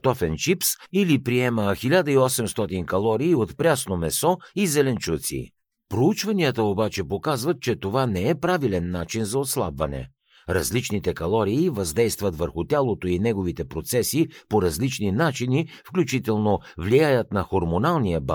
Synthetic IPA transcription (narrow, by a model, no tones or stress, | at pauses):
t̪ɔfɛnʃipsilipɾiɛməxilʲad̪əiɔsɛmst̪ɔt̪inkɐlˠɔɾiːot̪pɾʲasnomɛsɔizɛlɛnt͡ʃut̪sḭ | pɾout͡ʃvɐniət̪əobat͡ʃɛpokazvɐt̪̚t͡ʃɛt̪ovanɛɛpɾavilɛnːat͡ʃinzɐot̪slˠa̰bvɐnɛ̰ | ɾɐzlit͡ʃnit̪ɛkɐlˠɔɾiːvɐzd̪ɛjst̪vət̪vəɾxʊt̪ʲalˠot̪oinɛɡovit̪ɛpɾot̪sɛsipoɾɐzlit͡ʃninat͡ʃinifklʲut͡ʃit̪ɛlˠnovlijajət̪nɐxoɾmonalˠnijəba